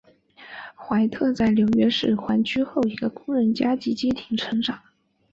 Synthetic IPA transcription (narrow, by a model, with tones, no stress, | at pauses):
xwa˧˥ɪt̪ʰɤ˥˧t͡sa˥˩ɪljo˧˥ʊɥɛ˥ʂɻ̩˥˩xwa˧˥nt͡ɕʰy˥xo˥˩ʊi˧˥ɡə˧kʊ˥ŋɻə˧˥nt͡ɕja˥t͡ɕi˧˥t͡ɕjɛ˥t̪ʰi˧˥ŋʈ͡ʂʰɤ˧˥ŋʈ͡ʂɑ˨˩˦